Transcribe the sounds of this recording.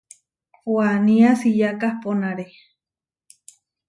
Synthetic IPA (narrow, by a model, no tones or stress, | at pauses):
pwanĩasijakahponaɾe